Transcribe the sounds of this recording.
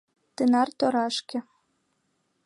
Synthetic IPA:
t̪ɘnɑrt̪oɾɑʃkʲɘ̆

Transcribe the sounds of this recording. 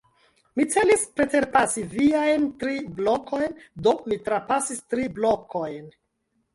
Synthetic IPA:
mit͡se̞lispɾe̞te̞ɾpasiviajntɾiblokʰo̞jndo̞mitɾapasistɾiblokʰo̞jn

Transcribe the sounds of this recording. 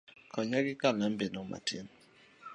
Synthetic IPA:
kɔɲaɡɪkanam̩benʊma̰tʰin̩

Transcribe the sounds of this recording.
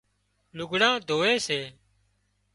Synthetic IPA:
lʊɡʱɽãːd̪ʱoːʋeːseː

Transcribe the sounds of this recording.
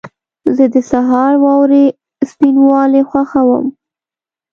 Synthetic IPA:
zəd̪əsaɦɑɾwɑwɾe | spinwɑlexwaxawə̰m

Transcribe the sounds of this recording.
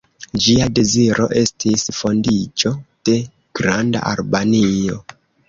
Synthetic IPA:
d͡ʒiade̞ziɾo̞̰ʔe̞stʰisfo̞ndit͡ʃo̞d̥e̞ | ɡ̥ɾanda̰ʔa̰lbanio̞

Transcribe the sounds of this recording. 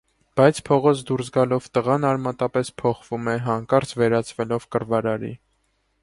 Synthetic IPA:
b̥ɑjt͡sʰpʰɔʁɔt͡sʰd̪uɾsɡɑlɔvt̪əʁɑnɑɾmɑt̪ɑpɛspʰɔχvumɛɦɑŋkɑɾt͡sʰvɛɾɑt͡sʰvɛlɔvkəɾvɑɾɑɾḭ

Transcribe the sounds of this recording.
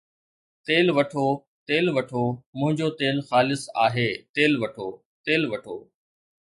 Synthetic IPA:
t̪eːlʋɐʈʰoː | t̪eːlʋɐʈʰoːmʊ̃ɦɪ̃ɲd͡ʑot̪eːlxaːlɪsaːɦeːt̪eːlʋɐʈʰoː | t̪eːlʋɐʈʰoː

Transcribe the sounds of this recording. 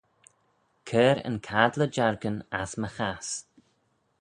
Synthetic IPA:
kʰɛːɾə̰nkʰaːdləd͡ʒaɹɡənasməxas

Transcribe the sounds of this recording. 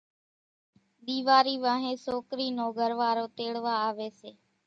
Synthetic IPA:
ɗ̪iːʋaːɾiːʋaːɦẽːsoːkɾiːnoːɡʱəɾʋaːɾoːt̪eːɽʋaːaːʋeːseː

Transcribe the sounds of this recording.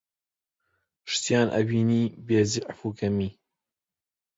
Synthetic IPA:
ʃt̪ijaːnʔɐ̰wiːniːbeːziʕfuːɡɐmiː

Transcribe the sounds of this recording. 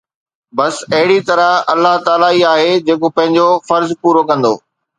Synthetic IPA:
bɐsɐɦɪɽit̪ɐɾəɦɐlːaɦt̪aːlaiaːɦed͡ʑeːkopɐ̃ɦɪ̃ɲd͡ʑofɐɾzpuːɾokɐ̃nd̪o̰ː

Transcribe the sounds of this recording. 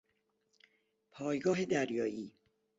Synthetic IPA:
pʰɒːjɡɒːɦed̪æɾjɒːiː

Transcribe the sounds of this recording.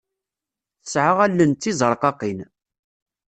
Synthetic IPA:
θəsʕaʁælːənt̪ːizˤəɾˤqɑqin

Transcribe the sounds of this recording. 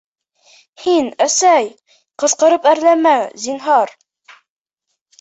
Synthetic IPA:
hinæsæj | qɤ̆sqɤ̆ɾɤpæɾlæmæzinɦɑɾ

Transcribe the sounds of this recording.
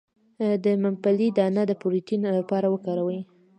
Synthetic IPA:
d̪əmampalid̪ɑnad̪əpuɾitinolapɑɾawəkɑɾawəj

